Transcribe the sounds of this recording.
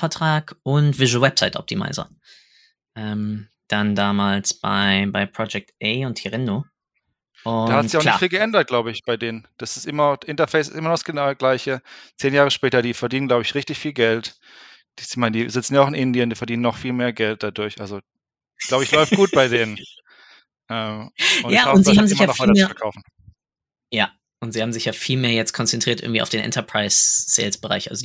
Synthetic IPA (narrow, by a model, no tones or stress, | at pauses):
fɛɐtʁ̥aːkʔʊntv̥ɪʒowɛpsaɪtʔɔ̰p̚tʰima̰ɪzɐ̰ | ʔɛm | d̥andaːmaːlsb̥a̰ɪbaɪpʁ̥ɔd͡ʒɛk̚tʔɛːʊntʰiʁɪndo | ʊahatzɪçaʊxɪtfiːlɡəʔɛndɐt̚ɡ̥laʊbəɪçb̥aɪdeːnənd̥asɪstʔɪmɐʔɪntɐfɛɪs̬ɪstʔɪmɐnɔsɡ̥ənaʊɡlaɪçət͡seːnjaːʁəʃpɛːtɐdiːfɛɐdiːnənɡlaʊbəɪçʁɪçtɪçfiːlɡɛlt | d̥iz̥ɪçmaɪndiːzɪt͡sn̩jaʊɪnʔɪndiəndiːfɛɐdiːnənːɔχfiːlmeːɐɡɛlt̚d̥adʊɐçʔalzo | ɡ̥laʊbəɪçlɔʏftɡ̥uːt̚b̥aɪdeːnən | ʔɛːmʊnjaːaːʊntnziːhaːm̩zɪɪmɐanɔvvaɪtɐt͡sɐufɛɐkʰaʊfn̩ | jaː | ʔʊntz̥iːhaːbm̩zɪçjaːfiːlmeːɐjɛt͡stkʰɔnt͡sɛntʁ̥iːtʔɪ̰ɡŋ̩tiːa̰ʊd̥eːnʔɛ̰ntɐpʁ̥aɪsːḛːlsb̥əʁa̰ɪçʔa̰lzo